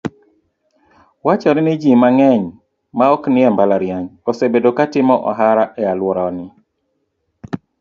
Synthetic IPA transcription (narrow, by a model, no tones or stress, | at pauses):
wat͡ʃɔɾinɪd͡ʒimaŋɛɲ | maɔknɪɛmbalaɾjaɲosebedokatɪmɔʔɔ̰ɦaɾaʔɛalwɔɾɔnɪ